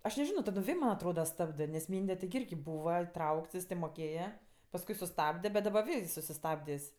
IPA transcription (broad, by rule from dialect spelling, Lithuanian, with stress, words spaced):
ɐʃ nʲɛˈʒʲɪnoː tɐˈdoːm ˈʋʲeː mɐnʲ ɐtˈroːdɐ ˈstɑːbdɜ nʲɛs ˈmʲiːnʲdʲɛ tʲɪɡʲɪ ˈɪrʲɡʲɪ ˈbuːʋɐ ɪˈtrɐʊkts jɪs tʲeː moːˈkʲeːjɛ pɐsˈkʊɪ sʊˈstɑːbʲdʲɛ bʲɛt dɐˈbɐ ˈʋʲeː ɪs sʊsʲɪˈstɑːbʲdʲeːsʲ